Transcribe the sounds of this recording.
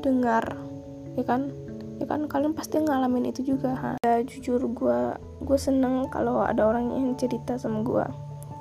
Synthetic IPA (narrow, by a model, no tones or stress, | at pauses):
dəŋar | jakan | jaka̰nkalianpast̪iŋalamɪnḭt̪ud͡ʒuɡaɦa̰ad͡ʒud͡ʒʊrɡua | ɡuasənəŋka̰lowa̰daoɾaŋɲa̰ŋt͡ʃəɾit̪asamaɡṵa̰